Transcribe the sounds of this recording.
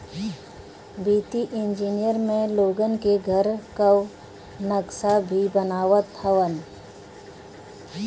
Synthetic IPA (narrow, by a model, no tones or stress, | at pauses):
biːt̪iʔɪ̃nd͡ʒiːnijəɾmẽloːɡənkeɡʱəɾkəw | nəksabʱibənaːʋət̪ʰəʋən